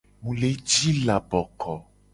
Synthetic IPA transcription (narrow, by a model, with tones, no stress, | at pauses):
mũ˨le˨˦d͡ʒi˦la˨bɔ˨kʰɔ˨